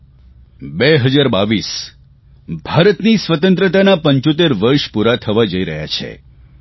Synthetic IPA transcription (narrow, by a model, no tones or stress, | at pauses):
beɦəd͡ʒaɾbaʋis | bʱaɾət̪nisʋət̪ənt̪ɾət̪anapəɲt͡ʃot̪̬eɾʋəɾʃpuɾat̪ʰəʋad͡ʒəiɾəɦja̰t͡ʃʰḛ